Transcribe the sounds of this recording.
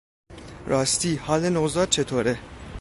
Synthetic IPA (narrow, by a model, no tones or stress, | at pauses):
ɾʔɑːst̪iːhɑːlenozɑːd̪̚t͡ʃʰet̪ʰoːɾe